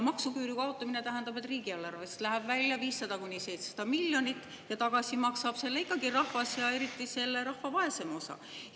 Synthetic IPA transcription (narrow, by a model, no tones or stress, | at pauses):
mɑksukyːɾikɑot̪ːˑɑmine̞t̪æɦend̪ɑbe̞t̪ˑriːɡiɑlːɑrvest̪læɦæb̥vælʲːjɑviːsːɑd̪ɑkunʲːise̞jt̪se̥sɑd̪̥ɑmilʲjo̞nʲit̪ːˑ | jɑt̪ɑɡ̥ɑsimɑksɑb̥se̞lːeikːˑɑɡirɑhvɑsjɑe̞ɾit̪ːˑise̞lːeɾɑhvɑvɑe̞se̞mo̞sɑ̰